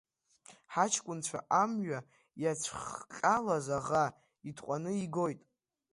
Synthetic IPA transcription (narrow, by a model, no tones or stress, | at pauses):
ħat͡ʃʰkʷʼʊnt͡ɕʷʰa̰ʔamɥa | jat͡sʷʰχqʲʼalazaʁa | itʰqʷʼanɨiɡo̞jtʼ